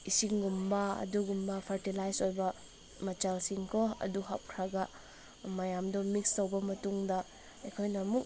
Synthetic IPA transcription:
isiŋɡumbɐɐ̰duɡumbɐpʰɐɾtilajsojbɐ | mɐt͡ʃalsiŋkʰɔɐ̰duɦa̰p̚kʰɾaɡɐ | mɐjamdɔmikstowbɐmɐtuŋdɐ | ɐjkʰojnɐːmuk̚

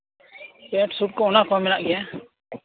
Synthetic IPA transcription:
ɛʈsuʈ̚kɔɔnakɔamɛnaʔɡɛja

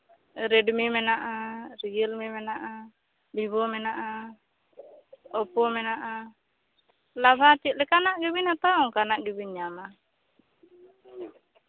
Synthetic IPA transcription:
ɾɛɖmimɛnaʔaɾijəlmimɛnaʔa | bibɔmɛnaʔa | ɔpɔmɛnaʔa | labʱat͡ʃit̪̚lɛkanaʔɡɛbinat̪aɔ̃ŋkanaʔɡibinɲama

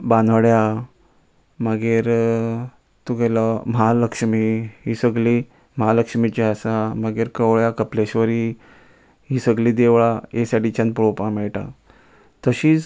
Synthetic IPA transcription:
banɽja | məɡeɾ | t̪uɡeləməaləkʂmiɦisəɡli | məɦaləkʂmit͡ɕeasaməɡeɾkəʋɭjakəpleɕʋəɾi | ɦisəɡliːd̪eʋɭaesaɽit͡ɕãnpəɭopãmɛɭʈa̰ | t̪əɕiːt͡s

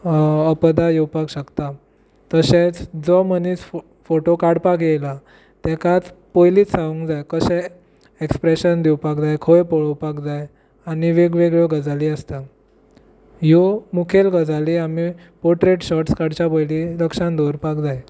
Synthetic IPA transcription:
əpəd̪ajewpakɕəkt̪a | t̪əɕet͡sd͡zɔməniːs | foʈokaɾɽpakjejla | t̪ɛkat͡spojliːt͡ssaʋũŋkd͡zajkəɕɛ | ekspɾeɕənd̪iwpakd͡zajkʰoepɔɭowpakd͡zaj | aɽ̃iʋeɡʋeɡɭoɡəd͡zʱaliːəst̪a | jomukʰelɡəd͡zaliami | pɔɾʈɾeʈɕɔʈskaɽt͡ɕabojliləkʂãnd̪oɾpakd͡zaj

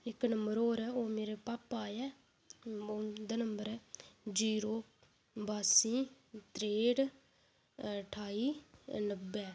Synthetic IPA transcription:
ɪknəmbəɾoːɾɛːoːmeːɾepaːpaːjɛː | oːd̪aːnəmbəɾɛːd͡ʒiːɾoː | baːsĩː | t̪ɾeːɽ | ʈʰaːiːnəbːɛː

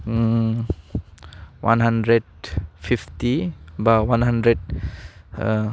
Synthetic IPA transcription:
wʔa̰nɦandɾed̚fʰiftibawanɦandɾed̚

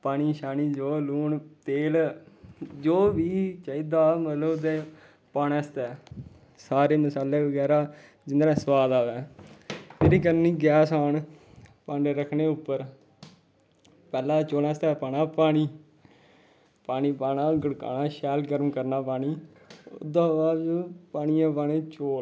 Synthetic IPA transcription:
paːɽ̃iːʃaːniːd͡ʒoːluːɳt̪eːl | d͡ʒoːʋiːt͡ʃaːiːd̪aːmət̪ləbt̪eː | paːnɛːst̪ɛː | saːɾeːməsaːleːʋəɡɛːɾaː | d͡ʒɪnd̪ɾɛ̃ːsəwaːd̪aːʋɛː | t̪eːɾiːkəɾniːɡɛːsaːɳ | pãɳɖeɾəkʰɳeːʊpːəɾ | pɛːlãːt͡ʃoːnɛ̃ːst̪ɛːpaːnaːpaːɽ̃iː | paːñiːpaːnãːɡəɽka̰ːnãːʃɛːlɡəɾmkəɾnaːpaːniː | ʊ̰d̪ãːʋaːd͡ʒopaːɳijãːpaːneːt͡ʃoː

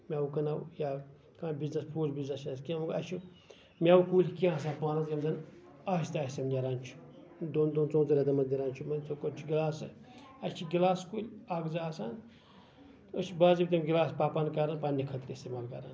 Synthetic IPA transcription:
mʲawukɐnawjaː | kãːbiznɐspʰuːsbiznɐsnɐskʲãmɡɐ̰t͡ʃʰu | mʲawkuːlʲkiãːs̬aːpaːɾɐzjɐmzɐn | aːʃt̪aːsɐmdʲɐɾaːnt͡ʃʰu̥ | d̪ond̪ont͡sõːnzɐɾʲɐd̪ɐmɐt̪dʲiɾaːnt͡ʃʰumɐnt͡sokot͡ʃʰuɡilaːsɨ | ɐt͡ʃʰiɡilaːskuːlʲaːɡzaaːsaːn | ət͡ʃʰibaːzibʲt̪ʲɐmɡilaːspaːpankaɾanpanːikʰɐt̪ɾist̪emaːlkɐ̰ɾan

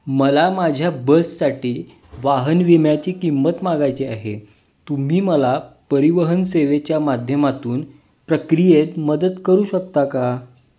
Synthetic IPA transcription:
məlamad͡ʑʱjabəssaʈiː | ʋaɦənʋimjat͡ɕiːkimːət̪maɡajt͡seaɦḛ | t̪um̤iːməlapəɾiʋəɦənseʋet͡ɕjamad̪ʱjəmat̪uːn | pɾəkɾijet̪məd̪əd̪kəɾuːɕək̚t̪aka

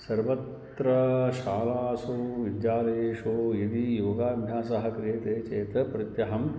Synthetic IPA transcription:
sɐɾʋɐt̪ | ɾɐʃaːlaːsoːʋid̪jaːlɐeʃoːid̪ijoːɡaːɡʱaːsɐɦɐ̆kɾjeːt̪eːt͡ʃeːt̪ɐpɾɐt̪jɐɦɐm

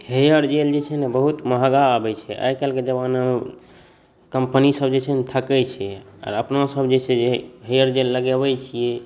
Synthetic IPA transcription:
hejəɾd͡ʒeld͡ʒet͡ʃʰɛnebəɦut̪məɦaɡaːbɛt͡ʃʰɛʔa̰jkalked͡ʒəbanə | kəmpənisəbd͡ʒet͡ʃʰɛnt̪ʰəkɛt͡ʃʰɛa̰ɾəpnosəbd͡ʒesʰed͡ʒeɦejəɾd͡ʒelːəɡebɛt͡ʃʰijɛ

